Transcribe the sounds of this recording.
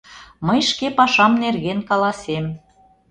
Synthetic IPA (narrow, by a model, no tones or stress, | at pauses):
məjʃkepɑʃɑmnerɣenkɑlɑsem